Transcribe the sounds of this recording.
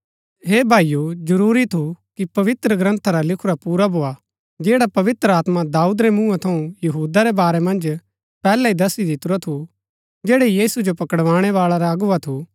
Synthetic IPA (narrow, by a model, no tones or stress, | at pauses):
ɦeːbʱaːijud͡ʒɐɾuːɾit̪ʰukipɐʋɪt̪ɾəɡɾɐ̃nt̪ʰaɾalɪkʰʊɾapuːɾabʱoːa | d͡ʒeːɽapɐʋɪt̪ɾəaːt̪mad̪aːuːd̪ɾɛmũːãt̪ʰɐũjɐɦuːd̪aɾebaːɾemɐ̃nd͡ʒ | pɛːlaid̪ɐsid̪ɪt̪ʊɾot̪ʰu | d͡ʒeːɽejiːsud͡ʒopɐkəɽʋaːɽ̃ɛʋaːɭaɾaɐɡʊʋat̪ʰu